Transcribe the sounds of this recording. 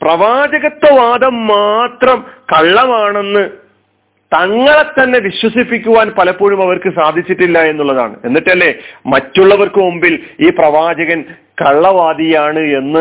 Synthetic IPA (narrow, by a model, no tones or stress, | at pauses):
prɐʋaːd͡ʑɐɣɐt̪ːɐʋaːd̪ɐmːaːt̪rɐmkɐɭːɐmaːɳe̞nːɨ | t̪ɐŋːɐɭet̪ːɐnːe̞ʋiɕwɐsipːikʲːuʋaːnpɐlɐpːuːɻumɐʋɐrkɨsaːd̪ʱit͡ɕːiʈːilːɐe̞nːuɭːɐða̰ːɳɨ̰e̞nːiʈːɐlːe̞mɐtːuɭːɐʋɐrkɨombiliːprɐʋaːd͡ʑɐɣɐn | kɐɭːɐʋaːd̪ijaːɳɨe̞nːɨ